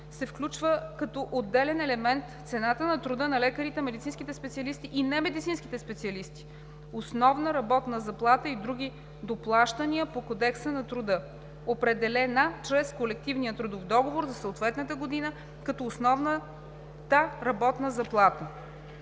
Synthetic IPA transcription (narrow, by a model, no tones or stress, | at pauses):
sɛfklʲut͡ʃvəkɐt̪ɔʔod̪ːɛlɛnɛlɛmɛnt̪t̪sɛnat̪ənɐt̪ɾʊd̪ənɐlɛkəɾit̪ɛmɛd̪itsinskʲit̪ɛspɛt̪siɐlist̪iʔinɛmɛd̪it̪sinskʲit̪ɛspɛt̪siɐlist̪i̥ | osnɔvnəɾɐbɔt̪nəzɐplˠat̪əid̪ɾuɡ̟ʲi | d̪oplˠaʃt̪ɐniəpokod̪ɛksənɐt̪ɾʊd̪ɤ | opɾɛd̪ɛlɛnat͡ʃɾɛskolɛk̚t̪ivnijət̪ɾud̪ofd̪ɔɡovoɾzɐsoot̪vɛt̪nət̪əɡod̪inə | kɐt̪ɔːsnɔvnə | t̪əɾɐbɔt̪nəzɐplˠat̪ə